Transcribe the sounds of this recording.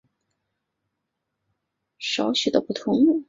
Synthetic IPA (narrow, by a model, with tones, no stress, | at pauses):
ʂɑ˧˥ʊɕy˨˩d̪ə˥pu˥˩t̪ʰʊ˧˥ŋu˥˩